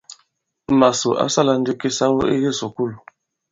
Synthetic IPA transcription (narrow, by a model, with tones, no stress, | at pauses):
ma˨su˨ʔa̰˦sa˦˨la˨n̩˦di˦ki˦sa˦wo˦e˦ɣi˦su˨ku˦˨l